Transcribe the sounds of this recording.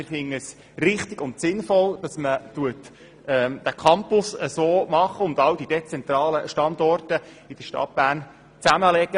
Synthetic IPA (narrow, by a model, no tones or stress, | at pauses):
ɪfɪŋəs | rɪχt̪ɪɡ̥ʊntsɪnfɔld̥ɑsmətuət | ɛd̥ækʰɑmpʊsəsoːmɑχəʊnd̪ɑwd̪id̥et͡sɛnt̪ɾɑːləʃtɑnd̪ɔrtə | ɪd̥əʃtɑ̰t̚b̥æːrn | t͡sæməlɛɡə